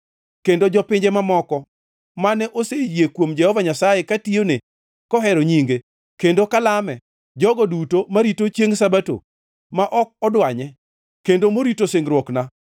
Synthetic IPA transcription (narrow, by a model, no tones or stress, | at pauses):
kendod͡ʒɔpɪɲd͡ʒɛmamɔkɔ | manɛʔosejjekwomd͡ʒɛhɔvaɲasajekatione | kɔɦɛɾoɲiŋɡe | kendokalamɛ | d͡ʒɔɡɔdutomaɾitot͡ʃjeŋsabato̰ | maʔɔk̚ɔdwaɲɛ | kendomoɾitoseŋɡɾwɔkna